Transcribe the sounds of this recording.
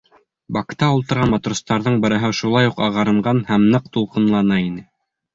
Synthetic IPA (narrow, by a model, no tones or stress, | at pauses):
bɑkt̪ɑulˠt̪ɤ̆ɾʁɑnmɑt̪rust̪ɑɾðɤɴbɤ̆ɾɤ̆ɦɤʃulˠɑjuqɑʁɑɾɤ̆ɴɢɑnhæmnɤq̚t̪ulˠqɤ̆nlˠɑnɑinɘ